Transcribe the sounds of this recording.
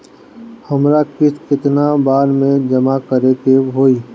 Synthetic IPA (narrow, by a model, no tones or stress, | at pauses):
həmɾakɪskɪt̪nabaːɾmẽd͡ʒəmakəɾet̪eɦoːiː